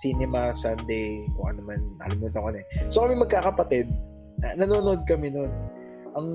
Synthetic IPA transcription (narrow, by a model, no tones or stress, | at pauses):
sinɛmɐsɐnd̪ejkʊŋʔɐ̰nomɐna̰lɪmnɐnt̪ɐŋkɐnɛsokɐmɛmɐɡ̚kaːkɐpɐt̪ɪd̪̚ | ɐnɐnoːnoʔod̪̚kɐmɛno̞n | ʔɐŋ